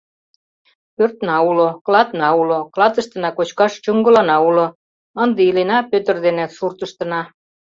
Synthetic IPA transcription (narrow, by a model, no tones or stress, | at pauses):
pørt̪nɑuloklɑt̪nɑuloklɑt̪ə̆ʃt̪ə̆nɑkot͡ɕkɑʃt͡ɕoŋɡə̆lɑnɑulo | ə̆nd̪eilenɑpøt̪ə̆rd̪enesurt̪ə̆ʃt̪ə̆nɑ